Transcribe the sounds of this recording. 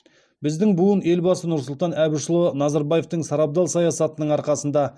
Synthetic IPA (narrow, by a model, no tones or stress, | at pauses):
bɪzd̪ɪŋbuəne̞lbɑsənʊɾsʊlˠt̪ɑnæbɪʃəlˠonɑzɑɾbɑje̞ft̪əɴsɑɾɑp̚d̪ɑlˠsɑjɑsɑt̪ənəɴɑɾqɑsənd̪ɑ